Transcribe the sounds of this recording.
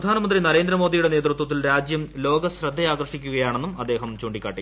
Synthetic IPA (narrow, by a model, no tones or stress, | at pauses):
ɐd̪ʱaːnɐmɐnd̪rinɐɾe̞ːnd̪ɾɐmo̞ːd̪ijuɽe̞ne̞ːt̪rut̪wɐt̪ːilɾaːd͡ʑjɐmlo̞ːɡɐɕrɐd̪ʱːejaːɡɐrʂikʲːuɣɐjaːɳe̞nːumɐd̪ːe̞ːɦɐmt͡ɕoːɳɖikʲːaːʈi